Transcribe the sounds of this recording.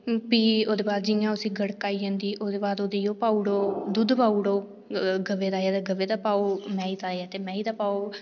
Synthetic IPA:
piːoːd̪eːbaːd̪d͡ʒɪjãːʊsĩːɡəɽkaːiːd͡ʒẽːnd̪iːʔoːd̪eːbaːd̪oːd̪eːjoːpaːuɽoːd̪ud̪paːuɽoː | ɡəʋeːd̪aːɛːd̪ːɡəʋeːd̪aːpaːoːmɛ̃ːiːt̪aːeaːt̪eːmɛ̃ːiːt̪aːpaːoː

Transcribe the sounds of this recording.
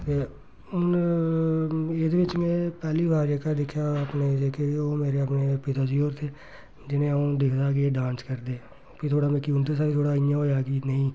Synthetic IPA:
t̪eː | ʊn | eːd̪eʋɪt͡ʃmẽːpɛːliːʋaːɾd͡ʒeːkad̪ɪkʰjaːəpneːd͡ʒeːkʰeːoːmeːɾeːəpneːpɪt̪aːd͡ʒiːoːɾt̪ʰeː | d͡ʒɪnẽːaũːd̪ɪkʰd̪aːɡɪeːɖãːnskəɾd̪eː | pʰɪt̪ʰoːɽaːmɛ̃ːkiund̪es̬aːɾiːt̪ʰoːɽaːɪjãːɦoːjaːɡinəĩː

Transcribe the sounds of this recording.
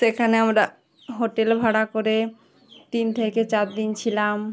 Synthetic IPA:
ekʰaneamɾa | ɦoʈelbʱaɽakoɾe | ʈ̪int̪ʰeket͡ɕaɾd̪int͡ɕʰilam

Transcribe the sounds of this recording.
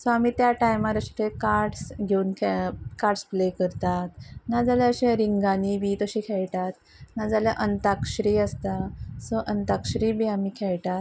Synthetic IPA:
sɔamiːt̪jaʈajmaɾəʂʈekaɾʈsɡʱeunkʰkaɾʈsplekəɾt̪at̪nad͡zaljaəɕeɾiŋɡaniʋiːt̪əɕiːkʰɛɭʈ̪at̪ | nad͡zaljaʔənt̪akɕɾiːəst̪asɔʔənt̪akɕɾiːbiamiːkʰɛɭʈ̪at̪

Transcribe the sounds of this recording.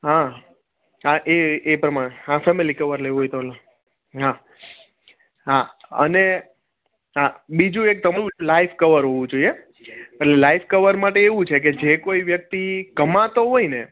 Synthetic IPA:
ɦa | ɦaʔeepɾəmaɽ̃eɦãfɛmelikəʋəɾleʋuɦojt̪ola | ɦa | ɦaə̰ne | ɦabid͡ʒũek̚t̪əmaɾũiũlaifkəʋəɾɦoʋũd͡ʒoie | eʈlelaifkəʋəɾmaʈeːʋũt͡ʃʰek̬ed͡ʒekoiʋjək̚t̪ikəmãt̪oɦoine

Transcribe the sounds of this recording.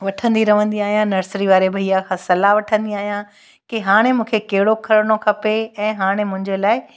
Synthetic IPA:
ʋɐʈʰə̃nd̪iɾɐʋə̃nd̪iaːɦijãnɐɾsɾiʋaːɾebʱɐijakʰãːsɐlaʋɐʈʰə̃nd̪iaːɦijã | keɦaːɽ̃emũːkʰekɐɦɪɽokʰɐɾɽ̃okʰɐpeɛ̃ːɦaːɽ̃emʊ̃ɦɪ̃ɲd͡ʑelaːɪ

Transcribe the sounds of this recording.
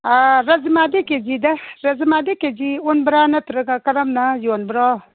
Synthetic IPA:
aɾɐzmaːd̪eked͡ʒid̪ɐɾɐzmaːd̪eked͡ʒionbɾaːnɐt̪ɾɐɡakɐɾɐmnajoːnbɾaː

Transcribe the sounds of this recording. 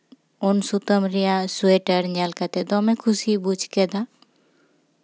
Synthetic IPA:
onsut̪əmɾijasueʈəɾɲalkat̪ed̪ɔmẽkʰʊsibud͡ʒʱked̪a

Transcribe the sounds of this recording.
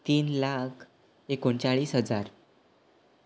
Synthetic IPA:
t̪iːnlakʰ | ekoɳt͡saɭiːsɦəd͡zaɾ

